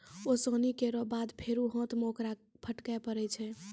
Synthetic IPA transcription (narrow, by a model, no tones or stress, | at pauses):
osõnikeɾɔbad̪pʰeɾuɦõt̪mokɾapʰəʈkaepəɾɛt͡ʃʰɛ